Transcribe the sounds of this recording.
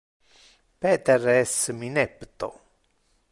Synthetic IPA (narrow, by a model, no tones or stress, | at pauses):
pɛt̪ɛrɛsminɛpt̪o̰